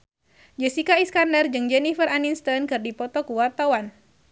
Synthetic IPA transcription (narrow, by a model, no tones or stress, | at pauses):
d͡ʒəsikaiskandərd͡ʒɨŋd͡ʒɛnifəɾaninst̪ɔnkɨrdipɔt̪ɔkuwart̪awan